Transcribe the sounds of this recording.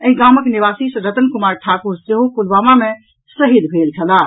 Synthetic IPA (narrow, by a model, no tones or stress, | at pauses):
əɦĩɡaməkniβasisə̃ɾət̪ənkumaɾʈʰakuɾseɦokulbamame | səɦid̪bʱelt͡ʃʰəla